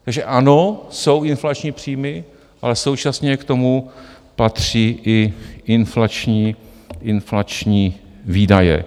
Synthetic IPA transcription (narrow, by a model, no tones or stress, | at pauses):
t̪aɡʒɛʔano̞so̞wʔɪnflat͡ʃɲiːpr̝̥iːmɪ | ʔalɛso̞wt͡ʃasɲɛkt̪o̞mu | pat̪r̝̥iːʔɪʔɪnflat͡ʃɲiː | ʔɪnflat͡ʃɲiː | viːdajɛ̰